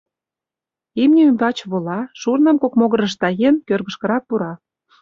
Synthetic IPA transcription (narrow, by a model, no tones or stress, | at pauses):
imnʲeymbɑt͡ɕβolɑʃurnə̆mkokmoɣə̆ɾə̆ʃ̬t̪ɑjenkørɣə̆ʃkə̆ɾɑk̚puɾɑ